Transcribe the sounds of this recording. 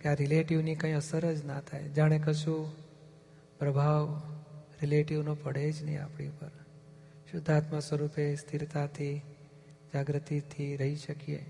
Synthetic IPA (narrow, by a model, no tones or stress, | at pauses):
keaɾɪleʈiʋnikãĩəsəɾəd͡ʒnat̪ʰaḛd͡ʒaɽ̃ekəʃu | pɾəbʱaʋ | ɾɪleʈiʋnopəɽ̤ed͡ʒnɦḭ̃a̰pɽ̃ḭpəɾ | ʃʊd̪ʱːat̪məsʋəɾupest̪ʰiɾt̪at̪ʰi | d͡ʒaɡɾət̪it̪ʰiɾəɦiʃəkiḛ